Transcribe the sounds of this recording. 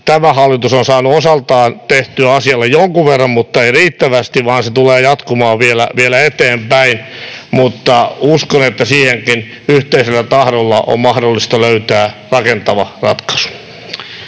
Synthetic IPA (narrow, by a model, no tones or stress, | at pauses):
t̪æmæhɑlːit̪usonsɑːnuosɑlt̪ɑːnt̪eht̪yæɑsiɑlːejoŋkuʋʋerːɑmmut̪ːɑeiriːt̪ːæʋæst̪iʋʋɑːnset̪uleːjɑt̪kumɑːʋielæ̰ʋielæet̪eːmpæinmut̪ːɑuskonet̪ːæsiːheŋkin | yht̪eiselːæt̪ɑhɾolːɑʔo̰mmɑhdolːist̪ɑløyt̪æːrɑkent̪ɑʋɑrɑt̪kɑ̥su̥